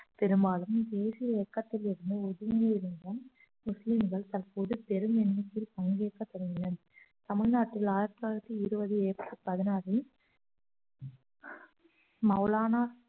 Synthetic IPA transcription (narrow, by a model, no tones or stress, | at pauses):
pɛɾɯmbaːlɯmd̪eːsɪjɐɛkːɐt̪ːɪlɪɽɯnd̪ɯɔðɯŋɡiɪɾɯnd̪ɐm | mʊslɪmɡɐɭt̪ɐrpoːðɯpɛɾɯmɛnmɪkːɪlpɐŋɡeːkːɐt̪ːɔɽɯɪnɐn | t̪ɐmɪɻnaːʈːɪlaːjɪɾt̪ːaːɪɾɐt̪ːiɪɾɯbɐðɯeːt̪ːɯpɐðɪnaːɾi | mɐlaːnaː